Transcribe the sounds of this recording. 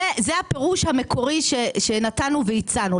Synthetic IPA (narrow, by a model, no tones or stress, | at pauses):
ezeape̞ʁuʃhame̞kʰo̞ʁiʃeʃe̞natanuveit͡sanu